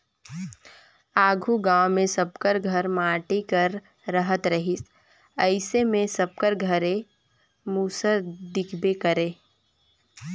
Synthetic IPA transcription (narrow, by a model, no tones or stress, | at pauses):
aːɡʱuɡãːwmẽsəb̚kəɾɡʱəɾmaːʈikəɾ | ɾəɦət̪ɾəɦɪs | əɪsemẽsɐb̚kəɾɡʱəɾe | muːsəɾd̪ɪkʰbekəɾeː